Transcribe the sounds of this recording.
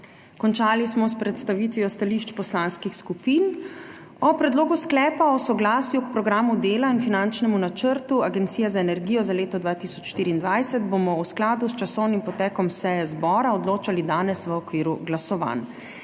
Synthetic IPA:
kɔnt͡ʃaːlismɔspɾɛt̪st̪aʋit̪ʋiɔst̪aliʃt͡ʃpɔslanskixskupiːn | ɔpɾɛd̪loːɡusklɛːpaɔsɔɡlaːsjuk̚pɾɔɡɾaːmud̪eːlainfinant͡ʃnɛmunat͡ʃəɾt̪uaɡɛnt̪siːjɛzaenɛɾɡijɔzaleːt̪ɔd̪ʋaːt̪isɔt͡ʃʃt̪iːɾiːnd̪ʋajsɛt̪bomɔwsklaːd̪ust͡ʃasɔwnimpɔt̪ɛːkɔmsɛjɛzbɔːɾaɔd̪loːt͡ʃalid̪aːnɛsʋəɔkʋiːɾuɡlasɔʋa̰n

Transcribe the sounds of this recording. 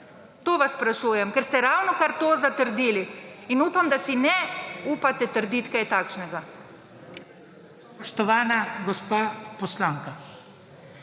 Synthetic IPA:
t̪oːʋasːpɾaʃuːjɛmkɛɾst̪ɛɾawnɔkaɾt̪oːzat̪əɾd̪iːliinuːpamd̪asinɛuːpat̪ɛt̪əɾd̪it̪kajt̪aːkʃnɛɡa | pɔʃt̪ɔʋaːnaɡɔspaːpɔslaːŋka

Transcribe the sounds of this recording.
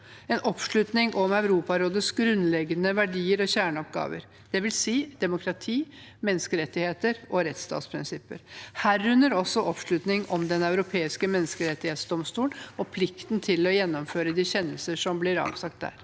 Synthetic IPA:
ɛnʔɔpʂɭʉt̪nɪŋʔɔmɑʉɾuːpɑɾoːd̪əsɡɾʉnːlɛɡənəʋæɖiːəɾɔɕæːɳəɔp̚ɡɑ̰ːʋə̰ɾ | d̪̥ɛʋɪlsiːd̪̥ɛmʊkʰɾɑt̪ʰiː | mɛnːəskəɾɛt̪ːɪheːt̪əɾɔɾɛt̪st̪ɑ̰ːt̪spʰɾɪnsɪpːəɾhæːɾːʉnːəɾɔsːɔʔɔpʂɭʉt̪nɪŋɔmd̪ɛnɑʉɾʊpʰeːɪskəmɛnːəskəɾɛt̪ːɪheːt̪sd̪ɔmst̪uːnɔpʰlɪkt̪nt̪ʰɪlɔjɛnːɔmføːɾəd̪iːçɛnːəlsəʂɔmblɪɾɑ̰ːʋsɑk̚t̪̚d̪æ̰ːɾ

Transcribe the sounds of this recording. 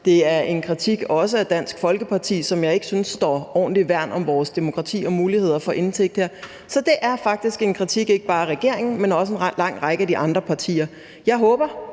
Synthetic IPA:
d̥e̝æɐʔe̝nkʰʁit͡sʰiɡ̥ɒ̽s̬əæd̥æn̰sɡ̥fɒ̽lɡ̥əpʰɑ̈t͡sʰḭːsɒ̽mjɑ̈ɪe̝ɡ̥əsynsːd̥ɒ̰ːɒ̰ːnliʋæɐ̰nɒ̽mʋɒːsd̥e̝mo̝kʰʁɑ̈t͡sʰḭːɒ̽muːlihe̝ð̞̰ˠɐfɒ̽ʔe̝nt͡sʰeɡ̥̚d̥heɐ̰ | sɒ̽d̥e̝ʔæɐfɑ̈ɡ̥̚d̥isɡ̥e̝nkʰʁit͡sʰiɡ̥e̝ɡ̥əb̥ɑ̈ːæʁɛɡ̥e̝ɐ̰e̝ŋn̩menɒ̽s̬əenlɑ̈ŋ̰ʁɑ̈ɪɡ̥əæd̥iʔɑ̈nd̥ʁɐpʰɑ̈t͡sʰḭːɐ | jɑ̈ɪɦɔːb̥ɐ

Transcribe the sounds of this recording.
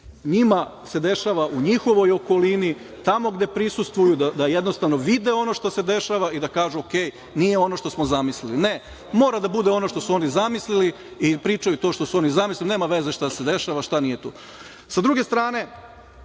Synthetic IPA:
ɲima | se̞d̪e̞ʃaʋaʔuɲixo̞ʋo̞jo̞ko̞lini | t̪amo̞ɡd̪e̞pɾisust̪ʋujud̪ad̪ajed̪no̞st̪aʋno̞ʋid̪e̞o̞no̞ʃt̪ose̞d̪e̞ʃaʋaid̪akaːʒuoke̞ːj | nije̞o̞no̞ʃt̪o̞smo̞zamisliline̞ | mo̞ːɾad̪abud̪eo̞no̞ʃt̪o̞suo̞nizamislili | ipɾiːt͡ʃajut̪o̞ʃt̪o̞suo̞nizamisliline̞ːmaʋe̞ze̞ʃt̪ase̞d̪e̞ʃaʋaʃt̪anije̞t̪ṵː | sad̪ɾuɡe̞st̪ɾaːne̞

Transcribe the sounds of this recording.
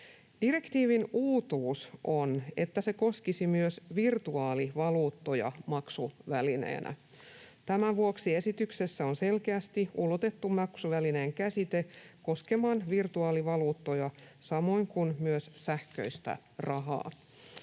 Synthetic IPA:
d̥ire̞kt̪iːʋinuːt̪uːsʔo̞ne̞t̪ːæse̞ko̞skisimyøsʋirt̪uɑːliʋɑluːt̪ːo̞jɑ̰mɑksuʋæline̞̰ːnʔæ̰ | t̪æmæʋuoksie̞sit̪ykse̞sːæonse̞lkeæst̪iulot̪e̞t̪ːummːɑksuʋæline̞ːŋkæsit̪e̞ko̞ske̞mɑnʋirt̪uɑːliʋɑluːt̪ːo̞jɑsɑmo̞jŋkunmyøssæhkø̰ist̪æ̰ | rɑɦɑ̰ː

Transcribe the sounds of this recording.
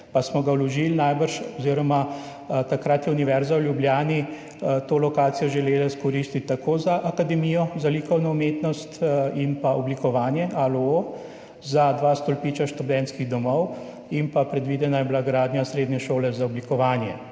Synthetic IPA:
pasmɔɡawlɔʒilnajbəɾʃɔziːɾɔma | t̪akɾat̪jɛuniʋɛɾzawlʲjubljaːni | t̪oːlɔkaːt̪sijɔʒɛleːlaskɔɾiːst̪it̪̚ʲt̪ːakoːzaʔakad̪ɛmijɔzalikɔwnɔumeːt̪nɔst̪inpaʔɔblikɔʋaːnjɛʔaloo | zad̪ʋaːst̪ɔlpiːt͡ʃaʃt̪ud̪ɛnt̪skiɣd̪ɔmɔw | impapɾɛd̪ʋiːd̪ɛnajɛblaɡɾaːd̪njasɾeːd̪nɲɛʃoːlɛzaɔblikɔʋaːnjɛ̰

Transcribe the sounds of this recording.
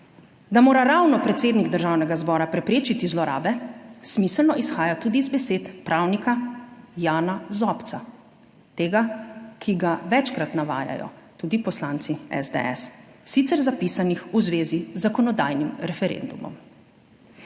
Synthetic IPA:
d̪amoːɾaɾawnɔpɾɛt̪seːd̪niɡd̪əɾʒawnɛɡazbɔːɾapɾɛpɾeːt͡ʃit̪izlɔɾa̰ːbɛsmisəlnɔʔisxaːjat̪uːd̪izbɛseːt̪pɾaːwnikajaːnazɔpt̪sa | t̪eːɡakʰiɡaʋɛt͡ʃkɾat̪naʋa̰ːja̰jɔ̰ | t̪uːd̪ipɔslaːnt̪siɛ̰zd̪ɛ̰ɛ̰sːit̪sɛɾzapisanixuzʋeːzizːakɔnɔd̪ajnimɾɛfɛɾḛnd̪umɔ̰m

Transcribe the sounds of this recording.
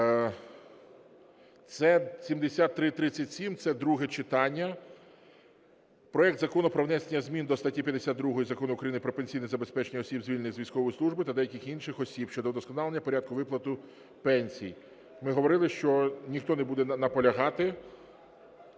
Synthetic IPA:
t̪sɛsʲimd̪esʲat̪ːɾɪt̪ɾɪt͡sʲːɐtʲsʲimt̪sɛd̪ɾuɦɛt͡ʃɪt̪ɑnʲːɐ | pɾɔɛkt̪zɐkɔnʊpɾɔʋnɛsenʲːɐzʲmʲind̪ɔst̪ɐtʲipʲjɐd̪esʲad̪d̪ɾuɦɔjizɐkɔnʊkɾɐjinɪpɾɔpenʲsʲijnɪizɐbespɛt͡ʃenʲiɔsʲibzʲʋilʲnɪɣzʲʋʲijsʲkɔʋɔjisˠuʒbɪt̪ɐd̪ɛjɐkɪxinʃɪxɔsʲibʃt͡ʃɔd̪ɔd̪ɔskɔnɑlˠenʲːɐpɔɾʲad̪̚kʊʋɪplˠɐt̪ʊ | pɛnʲsʲḭj | mɪɦɔʋɔɾɪlˠɪʃt͡ʃɔnʲixt̪ɔnɛbud̪ɛnɐpɔlʲɐɦɑt̪ɪ

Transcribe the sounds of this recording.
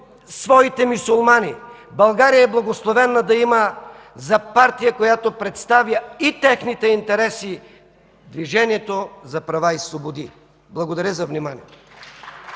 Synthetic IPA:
svɔit̪ɛmisulˠmani | bɐlˠɡaɾijɐɛblˠɐɡoslˠovɛnːɐd̪ɐimɐ | zɐpaɾt̪ijɐkojat̪opɾɛt̪st̪avjəit̪ɛxnit̪ɛint̪ɛɾɛsi | d̪viʒɛnijɛt̪ozɐpɾɐvaislˠobod̪i | blˠɐɡod̪ɐɾʲəzɐvnimaniɛt̪o̥

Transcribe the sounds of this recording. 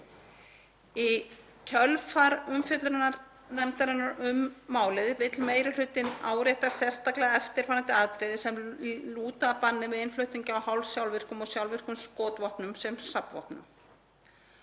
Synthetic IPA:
i | cʰœlfaɾʏmfjʏt̪lɾɪnːaɾ | nɛmt̪aɾɪnːaɾʏmːaːwlɪðɪvɪt̪lmeːjɾɪl̥ʏːt̪ːɪnaːwɾɛht̪asɛ̥st̪aklɛɣaɛft̪ɪɾ̥faːɾant̪ɪaːðt̪ɾɛðɪsɛmluːt̪apanːɪvɪðɪnflʏht̪niɲcɪawhawlsjawlvɪr̥kʏmɔɣsjawlvɪr̥kʏmskɔːt̪vɔhpnʏmsɛmsapvɔ̰hpnʏ̰m

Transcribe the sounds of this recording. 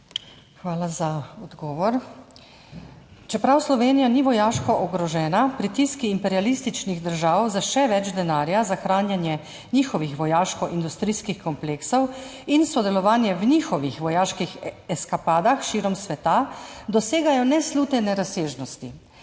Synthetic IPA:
xʋaːlazaɔd̪ɡɔːʋɔɾ | t͡ʃɛpɾawslɔʋeːnijaniʋɔjaːʃkɔʔɔɡɾɔʒɛːnapɾit̪iskiːmpɛɾialist̪it͡ʃniɣd̪əɾʒaːwzaʃɛʋɛd͡ʒd̪ɛnaːɾjazaxɾaːnjanjɛ | niːxɔʋixʋɔjaːʃkɔʔind̪ust̪ɾiːskixkɔmpleːksɔwinsɔd̪ɛlɔʋaːnjɛwnixɔʋixʋɔjaːʃkixɛskapaːd̪axʃiːɾɔmsʋɛt̪ad̪ɔseːɡajɔnɛsluːt̪ɛnɛɾaseːʒnɔst̪i

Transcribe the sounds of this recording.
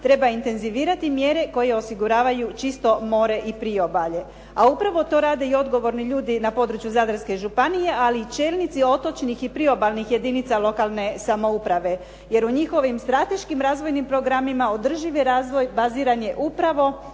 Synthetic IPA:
t̪ɾe̞baint̪e̞nziʋiːɾat̪imje̞ɾe̞ko̞jeo̞siɡuɾaːʋajut͡ʃist̪o̞mo̞ːɾe̞ʔipɾio̞baʎe̞ | aupɾaʋo̞t̪o̞ːɾaːd̪e̞io̞d̪ɡo̞ʋo̞ɾniʎuːd̪inapo̞d̪ɾut͡ʃjuzaːd̪ɾ̩ske̞ʒupanije̞ʔaliːt͡ʃe̞ːlnit̪sio̞t̪o̞t͡ʃnixipɾio̞balnixje̞d̪init̪salˠo̞kalˠne̞samo̞upɾaʋe̞ | je̞ɾuɲixo̞ʋimst̪ɾat̪e̞ʃkimɾaːzʋo̞jnimpɾo̞ɡɾamimao̞d̪r̩ʒiʋeɾaːzʋojbaziːɾaɲe̞ʔupɾaʋo̞

